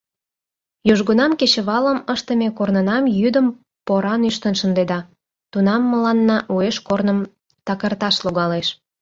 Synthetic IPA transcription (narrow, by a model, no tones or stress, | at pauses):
joʒɣunɑmket͡ɕə̆βɑləməʃt̪əmekornənɑmjyd̪əm | poɾɑnyʃt̪ənʃənd̪ed̪ɑ | t̪unɑmːəlɑnːɑʔueʃkornəm | t̪ɑkərt̪ɑʃloɣɑleʃ